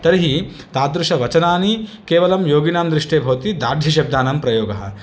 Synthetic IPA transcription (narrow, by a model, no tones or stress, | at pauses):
t̪ɐɾiɦi | t̪aːd̪ɾuʂɐʋɐt͡ʃɐnaːnikeːʋɐlɐmjoːɡinaːmd̪ɾɪʂʈeːbʱɐʋɐt̪id̪aːɾd̪ʱjɐʃ̬ɐb̚d̪aːnɐmpɾɐjoːɡɐɦɐ̰